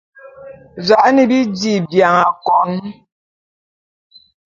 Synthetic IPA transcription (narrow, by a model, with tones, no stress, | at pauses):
za˨ʔni˨bi˦di˨bja˨ŋa˨kɔ˨˦n